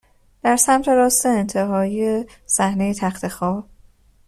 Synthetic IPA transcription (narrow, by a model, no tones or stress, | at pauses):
d̪̥æɾsæmt̪ʰe̞ɾɒːst̪e̞ːnt̪ʰe̞ɦɒːije | sæhne̞jet̪ʰæxt̪ʰexɒːb